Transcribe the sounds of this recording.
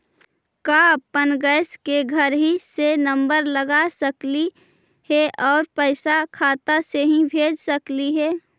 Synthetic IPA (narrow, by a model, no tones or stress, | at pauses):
kapənɡəːskeɡʱəɾɦisenə̃mbəɾləɡasəkli | hɛʔɔːɾpəɪsakʰaːt̪aseɦĩbʱeːd͡ʒsəkliɦɛː